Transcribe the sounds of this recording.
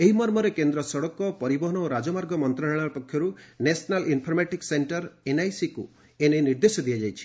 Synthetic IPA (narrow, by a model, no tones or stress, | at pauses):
eɦimɔɾmɔɾekend̪ɾɔsɔɽɔkɔpɔɾibɔɦɔnɔoɾad͡ʒɔmaɾɡɔmɔnt̪ɾaɭɭ̃apɔkʰjɔɾunesnalʔinpʰɔɾmaʈikseɳʈɔɾenajsiku | eneniɾd̪esɔd̪ijad͡ʒajt͡ʃʰi̥